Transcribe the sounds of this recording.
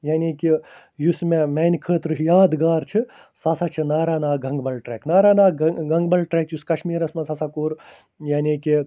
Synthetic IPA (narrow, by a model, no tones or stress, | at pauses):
jaːnʲiːki | jusmemɛːnʲkʰəːt̪ɾɨjaːd̪ɡaːɾt͡ʃʰi | sasat͡ʃʰinaːɾaːnaːɡɐ̃ŋɡbɐlʈɾeːknaːɾaːnaːɡɐŋɡbɐlʈɾekjuskɐʃmiːɾɐsmɐsɐsakuːɾ | jaːnʲiːki